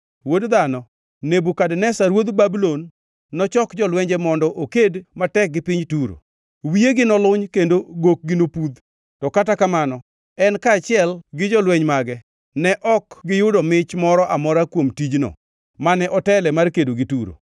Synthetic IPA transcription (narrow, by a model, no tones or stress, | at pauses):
wodd̪anɔ | nebukadnɛsaɾwod̪babulonː | ɔt͡ʃɔkd͡ʒɔlwɛɲd͡ʒɛmɔndɔʔokedmatɛk̚ɡɪpɪɲtuɾo̰ | wieɡɪnɔlʊɲkendoɡok̚ɡɪnopud̪ | tɔkatakamanɔ | ɛnkaːt͡ʃɪɛlɡɪd͡ʒɔlwɛɲmaɡɛ | nɛʔɔkɡɪjʊdɔmɪt͡ʃmɔɾɔʔamɔɾakwomtid͡ʒnɔ̰ | manɛʔɔtɛlɛmarkedoɡɪtuɾo̰